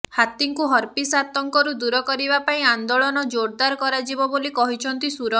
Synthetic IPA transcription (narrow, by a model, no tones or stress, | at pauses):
hat̪iŋkuɦɔɾpisat̪ɔŋkɔɾud̪uɾɔkɔɾibapaĩand̪oɭɔnɔd͡ʒoɾd̪aɾkɔɾad͡ʒibɔbolikɔɦit͡ʃʰɔnt̪isuɾɔ